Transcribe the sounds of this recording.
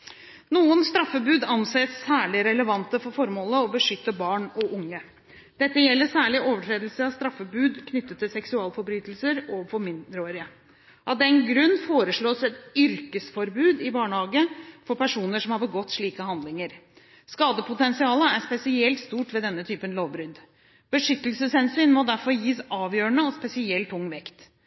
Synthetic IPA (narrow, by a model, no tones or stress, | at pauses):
nuːənst̪ɾɑfːəbʉːd̪ɑnseːsːæːɭɪɾɛləʋɑnt̪əfɔɾfɔɾmoːləɔbəʂʏt̪ːəbɑːɳɔʔʊŋːə | d̪̥ɛt̪ːəjɛlːəsæːɭɪʔoːʋəʈʰɾeːd̪lsəɑst̪ɾɑfːəbʉːd̪kʰnʏt̪ːət̪ʰːɪlsɛksʉɑːlfɔɾbɾyːt̪lsəɾɔfɔɾmɪnɾəoːɾɪə | ʔɑʋd̪ɛnɡɾʉnːfoːɾəʂɭoːsɛt̪ʏɾkəsfɔɾbʉːd̪ɪbɑːɳəhɑːɡəfɔɾpʰæʂuːnəʂɔmhɑɾbəɡɔt̪ːʂɭiːkəhɑnd̪lɪŋəɾ | skɑːd̪əpʰʊt̪ɛnsɪɑːləæɾʂpɛsɪɛlt̪st̪uːʈʋɛd̪ɛnːət̪ʰyːpənloːʋbɾʏd̪ | b̥əʂʏt̪ːəlsəshɛnsyːnmɔd̪æɾfɔɾjiːsɑːʋjøːɾəɳəɔspɛsɪɛlt̪ʰʊŋːʋɛkt̪